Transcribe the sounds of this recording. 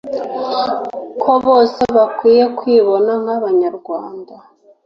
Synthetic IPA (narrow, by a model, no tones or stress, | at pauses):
kʰo̞βo̞ːse̞βakwiːje̞kwiːβo̞naŋ̥haβaɲaɾɡwaːnda